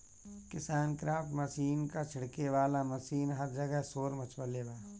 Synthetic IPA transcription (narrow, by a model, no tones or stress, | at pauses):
kɪsaːnkɾaːfʈmɐʃiːnkat͡ʃʰɪɽkeʋaːlamɐʃiːnɦɐɾd͡ʒəɡəɦsoːɾmɐt͡ʃʋəleːbaː